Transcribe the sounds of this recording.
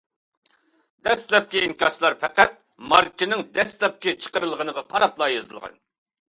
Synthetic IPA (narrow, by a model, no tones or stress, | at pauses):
d̪ɛst̪lɛp̚kʲiiŋkʲɑslˠɑɾpʰɛqæt̪̚ | mɑɾkʲɪnɪŋd̪ɛst̪lɛp̚kʲɪt͡ʃʰə̥qəɾɨlˠʁənəʁɑqʰɑɾɑplˠɑːjɑzɨ̰lˠʁɑ̰n